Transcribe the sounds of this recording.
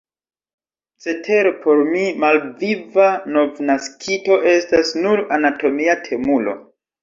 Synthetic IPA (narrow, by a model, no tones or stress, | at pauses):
t͡se̞tʰe̞ɾopʰo̞ɾmimalvivano̞vnaskʰito̞ʔe̞stasnuɾanato̞miatʰe̞mulo̞̰